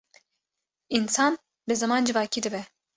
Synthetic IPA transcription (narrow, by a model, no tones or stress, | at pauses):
insɑːn | bɨzɐmɑːnd͡ʒɨvɑːkʰiːd̪ɨbɛ